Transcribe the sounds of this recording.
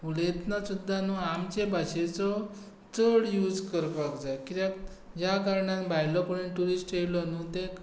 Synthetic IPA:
ulet̪nasud̪ʱːanuamt͡ɕebaɕet͡sɔ | t͡səɽjud͡zkəɾpakd͡zajkit̪jãk | jakaɾɳãnbʱajlɔkoɽiʈuɾisʈejlɔnũt̪ek

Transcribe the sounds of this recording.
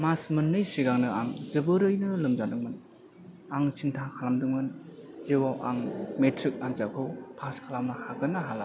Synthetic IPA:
masmɯnːɯjsiɡaŋnɯaŋzɯbɯɾɯjnɯlɯmzadɯŋmɯn | aŋsʰintʰakʰalamdɯŋmɯnziwawʔa̰ŋmetʰɾik̚aŋzakʰɯwpʰaskʰalamnɯhaɡɯnaɦala

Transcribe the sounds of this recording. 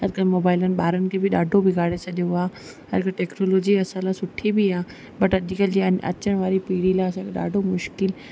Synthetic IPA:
ɦɐd͡ʑkəlmoːbaːɪlənɪ̆ɓaːɾənɪ̆kʰebɪɗaːɖʱobɪɡʱaːɽet͡ɕʰɐɗjoaː | ɦɐɾkʈeːknoːloːd͡ʑiɐsãlasʊʈʰibʱiaː | bɐʈɐʄɪkəld͡ʑiɐ̰t͡ɕəɽ̃ʋaːɾipiːɽilaɐsãkʰeɗa̰ːɖʱomʊʃkɪl

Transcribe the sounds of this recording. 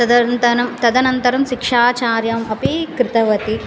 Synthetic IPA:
ɐd̪ɐnt̪ɐnɐmt̪ɐd̪ɐnɐnt̪ɐɾɐmʃikʂaːt͡ʃaːɾjɐmɐpikɾɪt̪ɐʋɐt̪i

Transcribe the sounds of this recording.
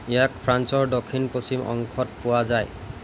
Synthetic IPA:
ɛjak̚pʰɹansɔɹdokʰinposimɔ̰ŋkʰɔt̚pʊwazaj

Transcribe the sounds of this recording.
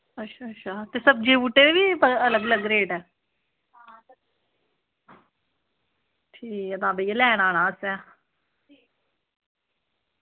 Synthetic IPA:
ətːʃʰaːətːʃʰaːt̪eːsəb̚d͡ʒeːʋuːʈeːeːʋiːpəələɡələɡɾeːʈɛː | ʈʰiːkɛd̪ãːbəjelɛːɽ̃aːɽ̃ãːsɛ̃ː

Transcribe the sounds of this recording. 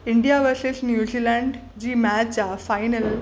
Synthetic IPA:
iɳɖijaʋəɾsisnjuzilaɳɖ | d͡ʑiːmæt͡ɕt͡ɕafajnəl

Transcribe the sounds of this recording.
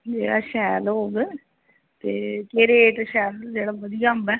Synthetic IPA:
d͡ʒeːɽa̰ːʃɛːlɦoːɡe | t̪eːkeːɾeːʈʃɛːld͡ʒeːɽaːʋəd̪ijaːmbɛː

